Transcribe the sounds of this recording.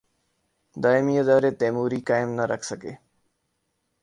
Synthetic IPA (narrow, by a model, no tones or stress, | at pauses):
d̪aːɪmiːɪd̪aːɾeːt̪eːmuːɾiːkaːɪmnəɾəkʰsəkeː